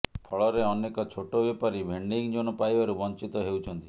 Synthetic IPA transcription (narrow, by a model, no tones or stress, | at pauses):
pʰɔɭɔɾeɔnekɔt͡ʃʰoʈobepaɾibʱeɳɖiŋd͡ʒoñɔpajbaɾubɔnt͡ʃit̪ɔɦewt͡ʃʰɔnt̪i